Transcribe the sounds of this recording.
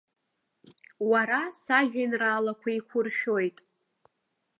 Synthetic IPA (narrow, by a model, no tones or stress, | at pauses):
waɾasaʒᶣinraːlakʷʰaikʷʰʊrʃᶣojtʼ